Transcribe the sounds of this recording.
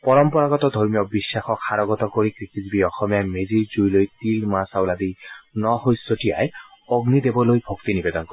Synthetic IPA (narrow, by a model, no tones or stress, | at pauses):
pɔɹɔmpɔɹaɡɔt̪ɔd̪ʱɔɹmijɔbisːaxɔkʰaɹɔɡɔt̪ɔkoɹikɹikitbiɔxɔmijameziɹd͡ʒujlojt̪ilmasawlad̪inɔhojsoʈia̰j | ɔɡnid̪ebɔlojbʱokt̪inibed̪ɔnkɔi